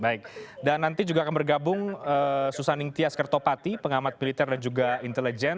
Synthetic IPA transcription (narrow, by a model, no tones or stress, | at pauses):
baɪk̚danːant̪id͡ʒuɡaːkanbərɡabʊŋəsusanɪŋt̪iaskərt̪opat̪ipəŋamat̪̚milit̪ɛrdand͡ʒuɡaint̪ɛlid͡ʒɛn